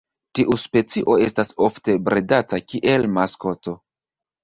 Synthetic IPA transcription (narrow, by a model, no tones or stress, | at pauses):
tiʔuspe̞t͡siʔo̞e̞staso̞fte̞bɾʔedatakʲiʔe̞lmasko̞to̞